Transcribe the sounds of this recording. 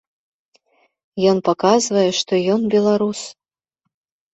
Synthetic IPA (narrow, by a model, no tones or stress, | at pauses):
jɔnpakazvɐjɛʂt̪ɔjɔnbʲɛlˠaɾus